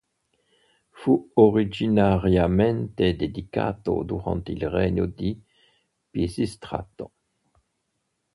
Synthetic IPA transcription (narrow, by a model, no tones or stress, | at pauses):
fuoʁid͡ʒinaʁjamɛnt̪ed̪ed̪ika̰t̪o̰d̪uʁɑ̰̃nt̪ilʁɛɲod̪i | pjesist̪ʁa̰t̪o